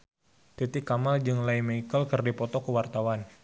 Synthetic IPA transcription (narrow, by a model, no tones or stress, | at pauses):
t̪it̪ɪkːamald͡ʒɨŋlajməikəlkərdipɔt̪ɔkəwart̪awan